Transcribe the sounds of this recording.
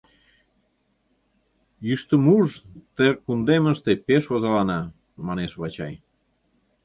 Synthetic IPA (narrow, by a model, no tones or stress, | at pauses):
jyʃt̪ə̆muʒt̪erkund̪eməʃt̪epeʃβozɑlɑnɑ | mɑneʃβɑt͡ɕɑj